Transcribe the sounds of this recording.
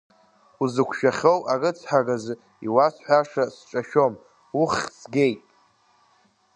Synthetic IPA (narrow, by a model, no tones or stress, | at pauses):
uzɨkʷʰʃᶣaχʲowarɨt͡sʰħaɡaz | iwasħʷaʂasʈ͡ʂʼaʃᶣo̞m | uχʲsɡʲe̞jtʼ